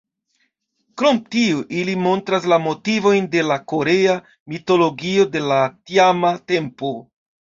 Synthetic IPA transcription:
kɾo̞mtioʔilimo̞ntɾaslamo̞tivo̞jnde̞lako̞ɾe̞a | mito̞lo̞ɡio̞de̞latiamate̞mpo

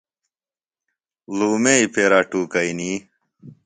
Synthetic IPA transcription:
luːmeipʰeːɾaːʈuːkɐini

